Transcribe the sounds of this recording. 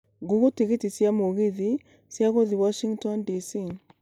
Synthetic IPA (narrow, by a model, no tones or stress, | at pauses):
ɡuɣutiɣetisjamoɣiði | sjaɣoðiwaʃiŋtɔndisi